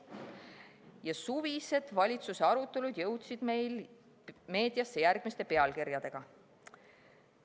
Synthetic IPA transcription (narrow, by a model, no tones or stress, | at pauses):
jɑsuvise̞d̪̥vɑlʲit̪suseɑɾut̪ːˑe̞lud̪̥jɤwt̪sid̪̥mejl | me̞ːd̪̥jɑsːe̞jærɡ̥mist̪e̞pe̞ɑlkiɾjɑd̪̥e̞ɡ̥ɑ